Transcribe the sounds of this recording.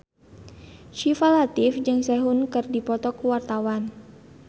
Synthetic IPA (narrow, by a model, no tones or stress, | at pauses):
ʃifalat̪ɪfd͡ʒɨŋsɛɦunkɨrdipɔt̪ɔkuwart̪awan